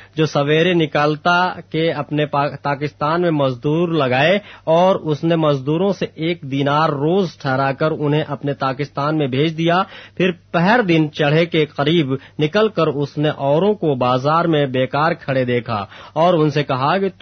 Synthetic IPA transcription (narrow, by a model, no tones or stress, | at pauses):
d͡ʒoːsɐʋeːɾenɪkaːlt̪akeɐpnepaːpaːkɪst̪aːnmẽmɐzd̪uːɾlɐɡaːeɔːɾʊsnemɐzd̪uːɾõseeːk̚d̪iːnaːɾːoːzʈʰɛɦɾakəɾʊnɦẽʔɐpnet̪aːkɪst̪aːnmẽbʱeːt͡ʃʰd̪ijapʰɪɾpɛɦɾd̪ɪnt͡ʃɐɽ̤ekeqɐɾiːbnɪkəlkəɾʊsneʔɔːɾõkobaːzaːɾmẽbeːkaːɾkʰɐɽed̪eːkʰa̰ɔːɾʊnsekɐɦake